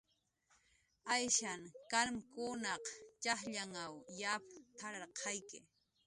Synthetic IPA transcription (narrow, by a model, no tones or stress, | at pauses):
ajʃaŋkalmkʊnɑqt͡ʃaχʎaŋawjapt̪ʰaɾɑɾqʰɑjkɪ̰